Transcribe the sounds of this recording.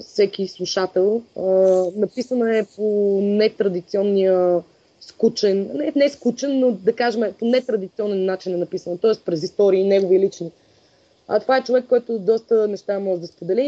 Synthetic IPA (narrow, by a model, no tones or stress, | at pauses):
fsɛkislˠuʃat̪ɛlˠənɐpisənəɛponɛt̪ɾɐd̪it̪siɔnːiə | skut͡ʃɛnnɛnɛskut͡ʃɛnːod̪ɐkaʒɛmɛponɛt̪ɾɐd̪it̪siɔnɛnːat͡ʃinɛnɐpisənət̪ɔɛspɾɛzist̪ɔɾiːnɛɡovilit͡ʃni | ə̰t̪ovaɛt͡ʃovɛkːɔjt̪ʊd̪ɔst̪ənɛʃt̪amɔʒɛd̪ɐspod̪ɛli